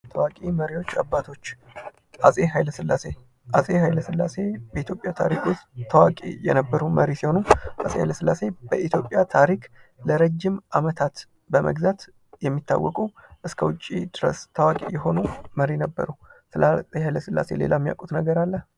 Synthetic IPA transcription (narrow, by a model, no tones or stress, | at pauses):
t̪ʰəwakʼiməɾiwo̞t͡ʃːa̰bːat̪ʰo̞t͡ʃː | ʔasʼeɦajləsɨlːase̞ | ʔasʼeɦajləsɨlːase̞bəit̪jo̞pʼːjat̪ʰa̰ɾikʊst̪t̪ʰːəwakʼḛjɛ̰nəbːəɾuməɾisiho̞nuʔasʼeha̰jləsɨlːase̞bəʔit̪jo̞pʼːjat̪ʰaɾikləɾəd͡ʒːimʔamət̪ʰat̪ | bəmʔə̰ɡzat̪ | jɛmːit̪ʰːa̰wːɔkʼuʔɨskʰəwʊt͡ʃʼːḭd̪̥ɨɾə̰st̪ʰːəwakʼḛjɛɦo̞numəɾinəbːə̰ɾusɨlatʼhajləsɨlːa̰se̞̰le̞̰lamːija̰kʼut̪nəɡəɾalːə